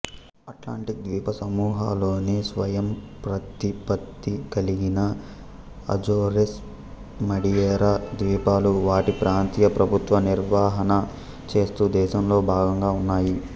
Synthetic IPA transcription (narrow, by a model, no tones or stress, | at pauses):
ɐʈla̰ːɳʈid̪ʋiːpɐsɐmuːɦaːlo̞ːneːsʋɐjɐmpɾɐt̪ipɐt̪ːikɐliɡinɐ | ɐ̰d͡ʒoːɾes | mɐɽijɛːɾaːd̪ʋiːpaːluʋaːʈipɾaːnt̪iːjɐpɾɐbʱut̪ʋɐniɾʋaːɦɐnɐ | t͡ʃe̞ːst̪uːd̪ɛːʃɐmlo̞ːbʱaːɡɐŋɡaːunːaːji